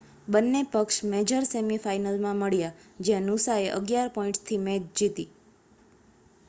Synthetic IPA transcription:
ɓənːepəkʃmed͡ʒəɾsemifajnəlmãməɭjad͡ʒjẽnusaeʔə̰ɡjaɾpɔĩʈt̪ʰimed͡ʒd͡ʒit̪i

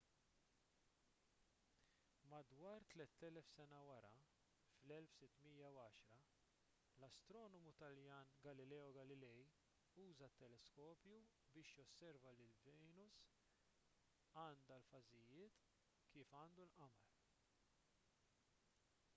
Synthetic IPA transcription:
mɐd̪wɐːɾt̪lɛt̪ːɛlɛfsɛnɐwɐɾɐ | flɛlfsɪt̪ːmijːɐwɐːʃɾɐ | lɐst̪ɾɔːnɔmut̪ɐljɐːnɡɐlɪlɛːɔɡɐlɪlɛj | uːzɐt̪ːɛlɛskɔːpju | bɪːʃjɔsːɛɾvɐlɪlvɛnʊs | ɐːnd̪ɐlfɐzɪjɪːt̪ | kiːfɐːnd̪ulʔɐmɐl

